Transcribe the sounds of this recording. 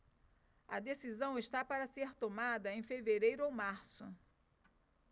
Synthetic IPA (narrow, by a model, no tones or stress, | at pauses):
ɐd̪esizɐ̃w̃ɪst̪apaɾɐseɾt̪omad̪ɐẽj̃feveɾejɾʊowmaɾsʊ